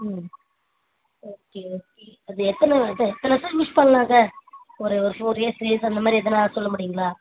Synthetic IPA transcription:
m | oːkeːoːkeːɐðɯɛt̪ːɐnɐðɐɛt̪ːɐnɐsɐlmɪspɐnlaːŋɡɐ | ɔɾeɔɾɯfoːɾeːsɾeːsɐnd̪ɐmaːd̪ɾiɛðɐnaːsɔlːɐmʊɽɪjʊŋɡɐɭaː

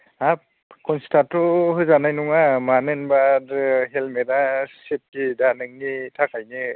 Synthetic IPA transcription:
a | kɔnstatɔɦɯzanajnuŋamanɯnbaɾɯɦelmedasip̚kidanɯŋnitʰakajnɯ

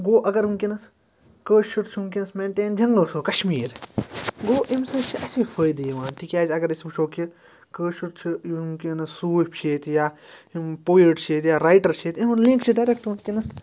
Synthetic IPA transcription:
ɡoːʔɐɡɐɾunkʲinɐs | kəːʃuɾt͡ʃʰːmkinɐsmeːɳʈeːnd͡ʒɐŋɡlɐːsoːkɐʃmiːɾɡoːʔimsɐːt͡ʃʰiʔɐseːfʰəːjd̪ijiʋãːnʈ̪ikʲaːzɐɡɐɾismɐt͡ʃʰoːki | kəːʃuɾt͡ʃʰijumkinɐsuːpʲt͡ʃʰeːt̪jaːimpoːiɖt͡ʃʰeːt̪jaːɾaːjʈɐɾt͡ʃʰeːt̪iɦunlĩŋkt͡ʃʰiɖaːɾekʈunkinɐs

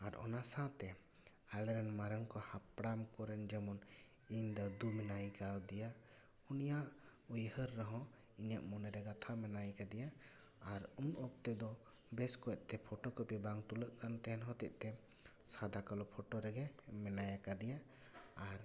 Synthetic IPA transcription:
aɾɔ̰nasat̪ɛ | alɛɾɛnmaɾənkɔhapɽamkɔɾɛnd͡ʒɛmɔn | iɲd̪ɔd̪umɛnajkawd̪ija | unijaʔujhəɾːaɦɔ̃ | iɲaʔmɔnɛɾɛɡat̪ʰamɛnajkad̪ɛjaː | ɾunʔɔk̚t̪ɛd̪ɔ | bɛskɔɛʔ̪̚t̪ɛpʰɔʈɔkɔpibaŋt̪uləʔkant̪ɛɦɛnɦɔt̪ɛ̰ʔ̚t̪ɛ | sad̪akalɔpʰɔʈɔɾɛɡɛmɛnajakad̪ijaː | ɾ

